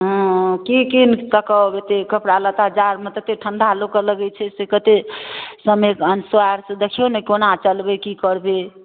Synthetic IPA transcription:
ɦɔ̃kikinkəkəet̪ekəpɽalə̃t̪aəd͡ʒaɾmẽt̪ət̪eʈʰənd̪ʱalokələɡɛt͡ʃʰɛsekət̪esəmekənswaɾsə̃d̪ekʰijonekonat͡ʃəlbekikəɾbe

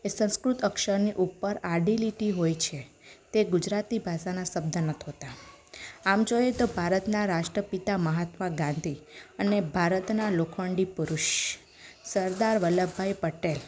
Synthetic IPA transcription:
esə̃w̃skɾut̪əkʃəɾniʔupːəɾaɖiliʈiɦojt͡ʃʰe | t̪eɡud͡ʒɾat̪ibʱaʃanasəb̚d̪ʱənət̪ʰɦot̪a | amd͡ʒojet̪obʱaɾət̪naɾaʃʈɾəpit̪aməɦat̪ʋaɡãnd̪ʱiənebʱaɾət̪nalokʰʋəɳɖipuɾuʃ | səɾd̪aɾʋələbʱːajpəʈel

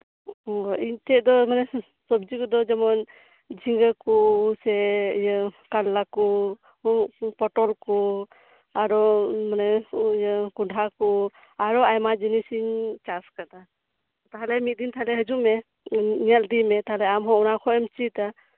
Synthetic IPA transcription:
ɔiɲt̪ɛʔ̚d̪ɔmanɛ | sɔb̚d͡ʒikɔd̪ɔd͡ʒɛmɔn | d͡ʒʱiŋɡəkɔsɛjkalːakɔ | pɔʈɔlkɔ | aɾɔmanɛjkuɖʱakɔ | aɾɔajmad͡ʒinisiɲt͡ʃaskad̪a | t̪aɦalɛmit̪̚d̪int̪aɦalɛɦəd͡ʒuʔmɛ | niald̪imɛt̪aɦalɛamɦɔ̃ɔnakʰɔɛmt͡ʃit̪a

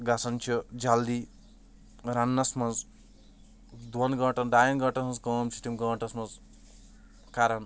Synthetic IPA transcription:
ɡasɐnt͡ʃʰid͡ʒald̪i | ɾanːɐsmɐz | d̪wɐnɡɐːʈɐnɖajɐnɡɐʈɐsmɐzkɐmsʰiʈimɡɐ̃ːʈɐsmɐz | kaɾɐn

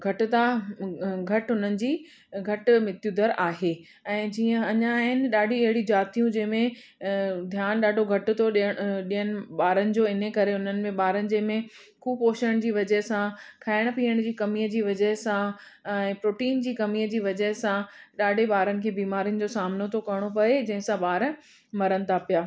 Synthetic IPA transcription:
ɡʱɐʈt̪a | ɡʱɐʈɦʊn̤ənɪ̆d͡ʑiː | ɡʱɐʈmɪt̪jud̪əɾaːɦeː | ɛ̃ːd͡ʑiːə̃ɐɲãːɦɪnɪ̆ɗaːɖʱĩɐɦɪɽid͡ʑaːt̪ijũd͡ʑɐ̃ɦɪ̃mẽ | d̪ʱjaːnɗaːɖʱoɡʱɐʈ̆t̪ʰoɗəɗijənɪ̆ɓaːɾənɪ̆d͡ʑoːɪnəkɐɾeʊn̤ənɪ̆mẽɓaːɾənɪ̆d͡ʑɐ̃ɦmẽ | kʰuːboːʃəɽ̃d͡ʑiːʋɐd͡ʑəɦɪsãkʰaːɪɽ̃̆piːəɽ̃d͡ʑiːkɐmijəd͡ʑiːʋɐd͡ʑəɦɪsã | ɛ̃ːpɾoːʈiːnd͡ʑiːkɐmijəd͡ʑiːʋɐd͡ʑəɦɪsãɗaːɖʱeɓaːɾənɪ̆kʰeːbiːmaːɾijʊnɪ̆d͡ʑoːsaːmnot̪ʰokɐɽ̃opɐed͡ʑɐ̃ɦɪ̃sãɓaːɾə | mɐɾənɪ̆t̪ʰapijaː

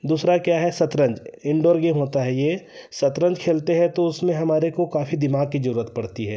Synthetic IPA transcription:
d̪uːsɾakjaːɦɛsɐt̪ɾə̃ɲd͡ʒɪ̃ɳɖoːɾɡeːmɦoːt̪aɦɛjeː | sɐt̪ɾə̃ɲd͡ʒkʰeːlt̪eɦɛ̃t̪oʊsmẽɦɐmaːɾekokaːfid̪ɪmaːɡ̚kizɐɾuːɾət̪̚pɐɽt̪iɦɛː

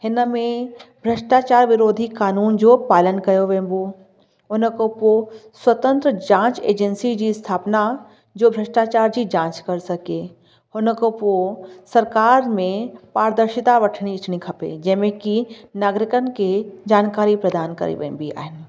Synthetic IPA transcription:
hɪnəmẽbʱɾɐʃʈaːt͡ʃaːɾʋɪɾoːd̪ʱikaːnuːnd͡ʒoːpaːlənkɐjoʋẽːmbo | ʊnəkoposwət̪ə̃nt̪ɾəd͡ʒãːt͡ʃḛːd͡ʒənsid͡ʒist̪ʰaːpna | d͡ʒoːbʱɾəʃʈaːt͡ʃaːɾd͡ʒid͡ʒãːt͡ʃkɐɾsɐkeː | honəkoposɐɾkaːɾmẽpaːɾd̪əɾʃɪt̪aʋəʈʰɽ̃iɪt͡ʃnikʰɐpḛd͡ʒɛːmẽkinaːɡɾɪkənked͡ʒaːnkaːɾipɾəd̪aːnkɐ̰ɾḛʋḛ̃ːmbia̰ːɪn

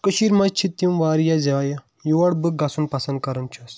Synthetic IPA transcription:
kəʃiɾmɐt͡ʃʰit̪jumʋaːɾijaːzaːja | juʋɐɽbɨɡɐsunpɐsɐnd̪̚kɐɾɐnt͡ʃʰɐs

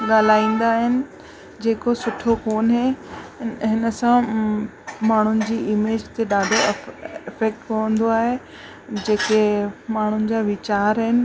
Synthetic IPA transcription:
ɠaːl̤aːĩːn̆d̪aːɦɪnɪ̆ | d͡ʑeːkosʊʈʰokoːnɦe | ɦɪnəsã | maːɳ̤ʊnɪ̆d͡ʑiːʔɪmeːd͡ʑt̪eɗaːɖʱoɪfek̚ʈkɐʋə̃nd̪oaːɦe | d͡ʑeːkemaːɳ̤ʊnɪ̆d͡ʑaːʋɪt͡ɕaːɾɦɪnɪ̆

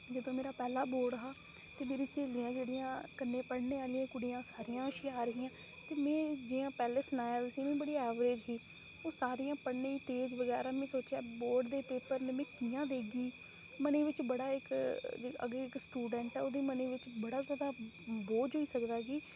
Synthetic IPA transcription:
d͡ʒəd̪õːmeːɾaːpɛːlaːboːɾɖəɦaː | t̪eːmeːɾiːseːliːãːd͡ʒeːɽijãːkənːẽːpəɽneːaːliãːkʊɽijãːsaːɾijãːəʃiaːɾəɦɪːãː | t̪eːmɛ̃ːd͡ʒiːjãːpɛːleːsənaːjaːɾʊsĩːmɛ̃ːbəɽiːɛːʋɾeːd͡ʒɦiː | oːsaːɾijãːpəɽnẽːt̪eːd͡ʒʋəɡɛːɾaːmɛ̃ːsoːt͡ʃaːboːɾɖd̪eːpeːpəɾnemɛ̃ːkiːjãːd̪eːɡiː | məneːʋɪt͡ʃbəɽaːɪkː | ə̰ɡeːɪksʈuːɖɛ̃ɳʈɛːoːd̪iːməneːʋɪt͡ʃbəɽaːzaːd̪aː | boːd͡ʒɦoːiːsəkd̪aːɡiː

